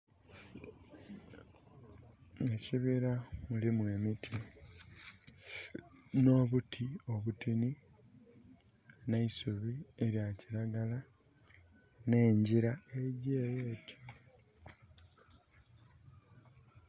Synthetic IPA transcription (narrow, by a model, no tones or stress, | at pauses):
eciβiɾamulimwe̞ːmitʰi | no̞βutʰio̞βutini | naisuβieɾjaciɾaɡala | ne̞ːɲɟiɾae̞ɟeːjeːtjo